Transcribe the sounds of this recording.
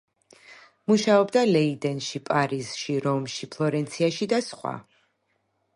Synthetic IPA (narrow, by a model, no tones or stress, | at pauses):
muʃaɔbd̪alɛid̪ɛnʃipʼaɾiz̥ʃiɾɔmʃipʰlˠɔɾɛnt̪sʰiaʃid̪asχwa̰